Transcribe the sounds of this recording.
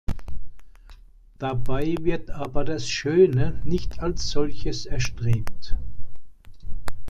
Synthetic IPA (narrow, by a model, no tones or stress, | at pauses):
d̥abaɪvɪɐtʔaːbɐdasʃøːnənɪçtʰalsz̥ɔlçəsɛɐʃtʁ̥eːp̚t